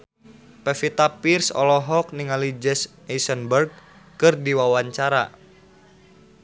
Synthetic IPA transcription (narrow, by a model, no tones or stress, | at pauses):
pɛfit̪apirsɔ̰lɔɦɔk̚niŋalid͡ʒɛs | ɛsənbərɡ̚ | kɨrdiwawaɲt͡ʃaɾa̰